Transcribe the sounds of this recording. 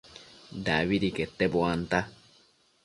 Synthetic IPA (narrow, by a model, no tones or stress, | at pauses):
d̪a̰βiɾiket̪ːeboant̪a